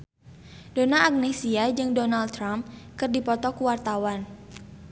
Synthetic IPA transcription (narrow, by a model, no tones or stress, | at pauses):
donaʔak̚nesiad͡ʒɨŋdonalt̪ɾamp̚kɨrdipɔt̪ɔkuwart̪awan